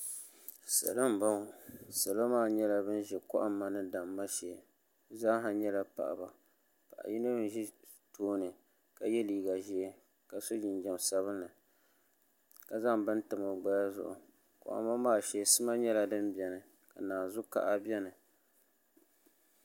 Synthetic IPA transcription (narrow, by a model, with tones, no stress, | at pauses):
sa̰˨lɨ˦m̩˨ba˦˨sa˨la˦maː˦˨ɲɛ˦la˨bɨ˦n˦ʒɛ˨kɔ̰˦ʔa˦mːa˦nɨ˦da˨mːa˦ʃɛ˨˦ | za˦ɦa˨ɲɛ˦la˨pa̰˨ʔba̰˨ | pa̰˨ʔa̰˨ji˦nɨ˦n˨˦ʒi˦ | toː˦nɨ˨ | ka˨jɛ˦liː˨ɡa˨ʒi˦ɛ˦ | ka˨so˦d͡ʒi˨n˦d͡ʒɛ˨m˨sa˦βɨ˦nːɨ˨ | ka˨za˦ŋbɨ˦n˦tɨ˨ma˨ɡ͡ba˦ja˦zʊ̰˨ʔʊ̰˨ | kʊ̰˨ʔa̰˦mːa˦maː˦ʃɛ˨sɨ˦ma˦ɲɛ˦la˦dɨ˦mbʲɛ˨nɨ˨ | ka˨naː˨zʊ˦ka̰˨ʔa˦bɛ˦nɨ˨